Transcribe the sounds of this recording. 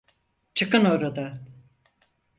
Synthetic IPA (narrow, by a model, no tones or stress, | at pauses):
t͡ʃʰɯkɯnoɾad̪a